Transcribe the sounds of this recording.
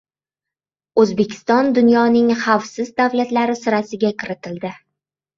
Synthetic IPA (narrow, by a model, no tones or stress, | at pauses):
ɵzbe̞kʲʰɪ̥st̪ɒnd̪ʊnjɒnɪŋχawfsɪzd̪avlat̪laɾɪsɪɾasɪɡʲakʰʲɪɾɪt̪ʰɪld̪ɪ